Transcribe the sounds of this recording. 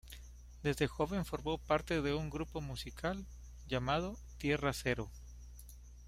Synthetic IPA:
d̪e̞zðe̞xo̞βe̞ɱfo̞ɾmo̞paɾt̪e̞ðe̞uŋɡɾupo̞musikʰal | ʝamað̞o̞ | t̪je̞rase̞ɾo̞

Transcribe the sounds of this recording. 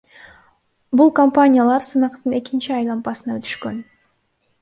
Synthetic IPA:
bulˠkompanʲijalˠɑɾsɯnɑqt̪ɯne̞kint͡ʃiɑjlˠɑmpɑsɯnɑøt̪y̥ʃkø̞n

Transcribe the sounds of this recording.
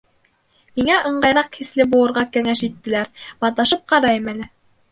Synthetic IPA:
miŋæʔɤ̆ɴɢɑjɾɑqhislɘbulˠɤ̆ɾʁɑkæŋæʃit̪ːɘ̆læɾmɑt̪ˠɑʃɤp̚qɑɾɑjɤmænɘ

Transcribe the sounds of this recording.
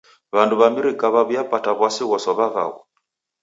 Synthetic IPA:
βanduβamiɾikaβaβujapataβwasiɣɔsɔβaβa̰ɣɔ̰

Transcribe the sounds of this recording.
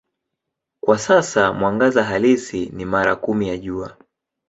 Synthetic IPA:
kwasasamwaŋɡazaɦalisinimaɾakumijaʄua

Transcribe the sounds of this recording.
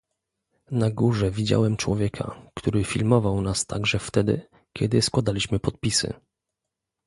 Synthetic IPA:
naɡuʐɛvʲid͡ʑa̰wɛmt͡ʂwɔvʲjɛkʰa̰kt̪uɾɘfʲilmɔvawnast̪a̰ɡʐɛft̪ɛd̪ɘ̰ | kʲɛd̪ɘskwad̪alʲiɕmɘpɔt̪̚pʲisɘ̰

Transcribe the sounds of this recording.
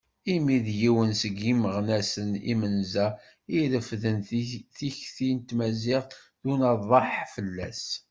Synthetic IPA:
imiðjiwənsəɡiməʁnæsənḭmənzæ | iɾəfðənθiçθint̪mæziʁ | ðunɑðˤɑħfəlːæ̰s

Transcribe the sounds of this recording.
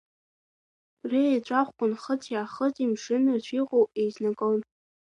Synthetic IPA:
rejt͡ʃʷʼaχʷkʷʊnχət͡sʰjaχət͡sʼimʂɨnɨt͡ɕʷʰiqʼowejznakʼown

